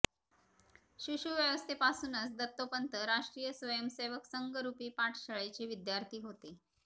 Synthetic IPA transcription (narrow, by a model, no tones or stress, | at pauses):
ɕuɕuːʋjəʋəst̪ʰepasuːnət͡sd̪ət̪ːopənt̪əɾaʂʈɾiːjəsʋəjəmseʋəksəŋɡəɾupiːpaʈʰɕəɭet͡ɕeʋid̪jaɾt̪ʰiːɦot̪e